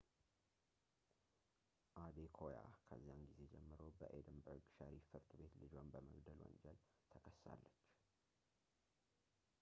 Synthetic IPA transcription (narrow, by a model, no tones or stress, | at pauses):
ʔad̪ekʰoja̰kʰəzːijamɡize̞d͡ʒɛmːɨɾəbəʔed̪əmbəɨkʼʃaɾifɨɾt̪ɨbe̞t̪lɨd͡ʒanbəməɡd̪əlwɔ̰ɲd͡ʒɛl | t̪ʰəkʰəsːa̰lːət͡ʃː